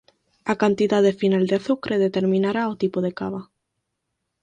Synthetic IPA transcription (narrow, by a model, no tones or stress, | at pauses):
akant̪iðaðefinald̪eaθukɾʔeðet̪eɾmĩnaɾaot̪ipoð̞ekaβa